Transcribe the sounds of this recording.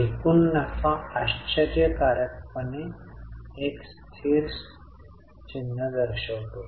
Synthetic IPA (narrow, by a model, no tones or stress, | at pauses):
ikunːafaaɕt͡ɕaɾjəkaɾjək̚pəne | ekst̪ʰiɾs | t͡ɕinːəd̪əɾɕəwt̪o